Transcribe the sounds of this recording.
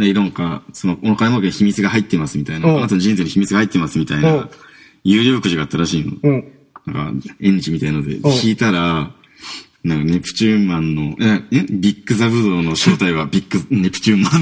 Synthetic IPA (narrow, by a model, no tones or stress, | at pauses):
naiɾõŋkaso̞noonokaɾemokeiçimʲit͡sɨɡahait̪ːe̞masɨmʲit̪ainaat̪ond͡ʑĩñseɲiçimʲit͡sɨɡahait̪ːe̞masɨmʲit̪aina | jɨ̟ːɾʲoɯkɯ̟ʑiɡaːt̪ːaɾaɕiːno̰ | nã̰ŋka̰ẽ̞ɲ̟ːit͡ɕimit̪ainaod̪e̞̰kʲiːt̪aɾa | nãŋkane̞pɯ̟̥t͡ɕɨːmãnːo̞eaebʲikːɯ̟saβɯ̟d̪o̞ːno̞ɕo̞ːt̪aiβabʲikːɯne̞pɯ̟̥t͡ɕɨːmã